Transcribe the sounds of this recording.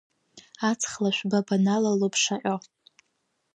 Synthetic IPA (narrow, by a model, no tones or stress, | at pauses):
at͡sʰχlaʃʷᶣbabanalalopʰʂaʔʲʼo